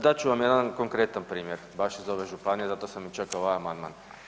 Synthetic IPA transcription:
d̪at͡ʃuʋamjed̪anko̞ŋkɾet̪anpɾiːmjeɾbaʃizoʋeʒupanijezat̪osamit͡ʃakːaoʋajamand̪ma̰ːn

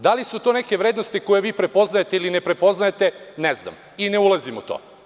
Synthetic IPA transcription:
d̪alisut̪oneke̞ʋɾeːd̪nost̪ikojeʋiːpɾepo̞znajet̪eilinepɾepo̞znajet̪enezna̰m | ineulˠazimṵt̪o̰

